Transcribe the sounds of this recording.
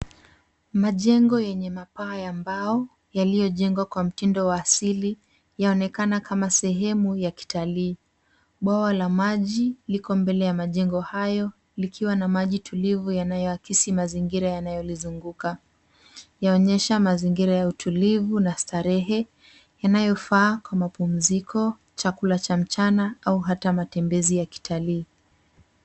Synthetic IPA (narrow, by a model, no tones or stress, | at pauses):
maʄɛŋɡɔjɛɲɛmapaːjambaɔ | jalijɔʄɛŋɡwakwam̩tindɔwaːsili | jaɔnɛkanakʰamasɛɦɛmujaki̥taliː | ɓwawalamaʄilikɔmbɛlɛjamaʄɛŋɡɔhajɔ | likʰiwanamaʄitʰulivujanajɔakisimaziŋɡiɾajanajɔlizuŋɡuka | jaɔɲɛʃamaziŋɡiɾajautʰulivunastaɾɛɦɛ | janajɔfaːkwamapum̩zikʰɔ | t͡ʃakulat͡ʃam̩t͡ʃanaauɦatamatɛmbɛzijaki̥tʰaliː